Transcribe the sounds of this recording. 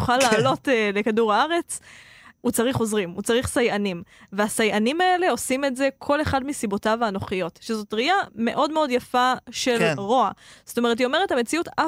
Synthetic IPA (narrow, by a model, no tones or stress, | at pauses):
uχalːaːlo̞tle̞kaduʁaaʁe̞t͡s | ut͡saʁiχo̞zʁimut͡saʁiχsajanimveasajʔanimae̞le̞o̞sime̞tze̞kʰo̞le̞χadmisibo̞taveanoχijo̞tʃezo̞tʁiame̞ʔo̞dme̞o̞djafaʃelʁo̞az̥otomeet̬io̞me̞ʁethamet͡siuta